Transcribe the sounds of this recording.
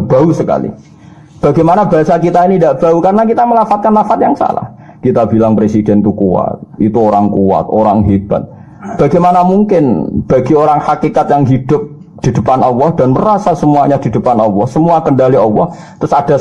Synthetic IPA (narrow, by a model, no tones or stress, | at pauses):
b̥ausəka̰lḭ | b̥aɡamanabaasakit̪ainidaʔb̥aukaɾənakit̪aməlafat̪̚kanlafat̪jaŋsa̰la̰h | kit̪abilaŋpɾesidɛnt̪ukua̰t̪̚ḭt̪uoɾaŋkua̰t̪̚oɾaŋɦib̥a̰t̪̚ | b̥aɡamanamuŋkɪnb̥aɡioɾaŋhakikat̪jaŋɦid̥ʊp̚ | d̥idəpanɔlːɔhd̥anməɾasasəmuaɲadidəpanɔlːɔhsəmuakəndaliɔlːɔ̰h | t̪ɾʊsada